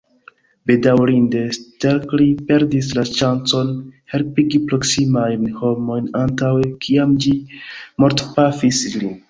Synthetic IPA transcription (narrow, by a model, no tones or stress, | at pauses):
be̞dawɾinde̞steɾklipe̞ɾdis̬laʃant͡so̞nhe̞lpiɡipɾo̞ksimajnho̞mo̞jnantawekʰiamd͡ʒimo̞ɾtpafisli